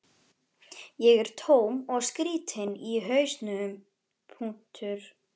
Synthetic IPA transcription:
jɛɣɛɾ̥t̪ʰoːwmɔɣskɾiːt̪hɪnːiɦœːɥst̪nʏm | pʰuŋ̥t̪ʰʏɾ̥

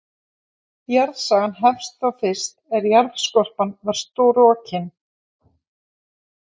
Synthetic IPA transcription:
jaɾðsaːɣanɦɛfst̪θawfɪ̥st̪ɛɾjaɾðskɔr̥panvaɾ̥st̪oːwɾɔcʰɪn

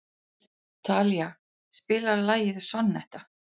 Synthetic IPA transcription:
t̪ʰaːlja | spɪːlaɾlaːjɪðsɔnːɛ̰ht̪a

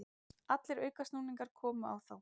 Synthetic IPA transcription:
at̪lɪɾœːɥkast̪uːniŋkaɾ̥kʰɔːmʏa̰wθaw

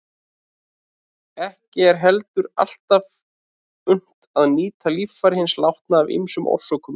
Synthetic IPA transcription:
ɛhcɪɛɾ̥ɦɛlt̪ʏɾa̰l̥t̪av | ʏn̥t̪aðniːt̪ʰalifaɾɪhɪnslawht̪naːvḭmsʏmʔɔ̰w̥sɔkʏm

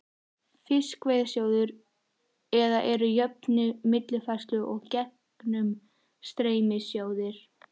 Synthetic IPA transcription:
fɪskveːjðsjoːwðʏɾ | ɛðaʔɛɾʏjœp̚nʏmɪt̪lɪfast̪lʏʔɔɣcɛh | knʏm | st̪ɾeːjmɪsjoːwðɪɾ̥

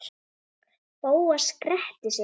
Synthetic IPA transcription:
poːwaskɾɛht̪ɪs

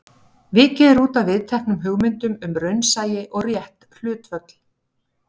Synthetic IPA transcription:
vɪːcɛːɾuːt̪avɪðt̪ʰɛhknʏmɦʏɣmɪnt̪ʏmʏmɾœɥnsaːjɪʔɔɣrjɛht̪l̥ʏːt̪fœt̪l̥

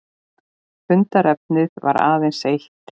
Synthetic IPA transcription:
fʏnt̪aɾɛp̚nɪðva̰ɾa̰ːvejnsejht̪

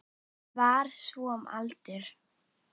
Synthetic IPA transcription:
vaɾ̥sɔma̰lt̪ɪɾ̥

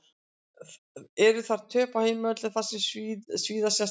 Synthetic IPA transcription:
ɛɾʏθaɾ̥t̪ʰœːpaheːjmœt̪lɪ̥θasːɪssviːðasas

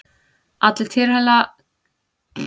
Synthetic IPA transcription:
at̪lt̪ʰɪɾhɛla

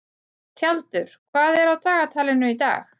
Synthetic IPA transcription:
t̪ʰjalt̪ʏɾ̥kʰvaːðɛɾawt̪ʰaːɣat̪ʰaːlɪnʏit̪a̰ːx

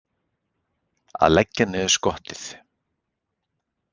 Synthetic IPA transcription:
a̰ðlɛcːanɛ̥skɔht̪ɪθ

